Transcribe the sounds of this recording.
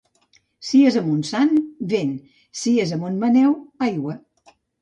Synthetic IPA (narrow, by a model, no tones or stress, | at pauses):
siezəmunsanβen | siezəmunmənɛwajwə